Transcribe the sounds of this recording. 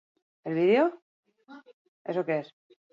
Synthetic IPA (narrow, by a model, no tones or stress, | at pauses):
elβiðjeo | esokees